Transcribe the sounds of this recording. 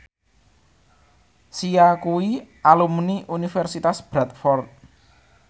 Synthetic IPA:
siakuwiʔalumniʔunifɛrsit̪asb̥ɾat̪̚fɔrt̪̚

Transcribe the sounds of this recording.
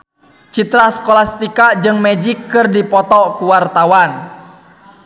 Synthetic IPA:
t͡ʃit̪ɾaskolast̪ikad͡ʒɨŋmɛd͡ʒikːɨrdipɔt̪ɔkuwart̪awan

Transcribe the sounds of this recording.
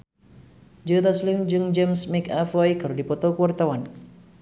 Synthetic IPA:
d͡ʒət̪asliŋd͡ʒɨŋd͡ʒɛmsmikafɔjkaɾodipɔt̪ɔkəwart̪awan

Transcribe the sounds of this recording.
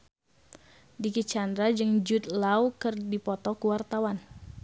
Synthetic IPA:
dikit͡ʃand̪ɾad͡ʒɨŋd͡ʒut̪̚lawkɨrdipɔt̪ɔkuwart̪awan

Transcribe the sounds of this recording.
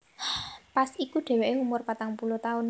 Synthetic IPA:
pasikuɖ̥e̤weʔeumʊrpat̪aŋpulot̪aʊn

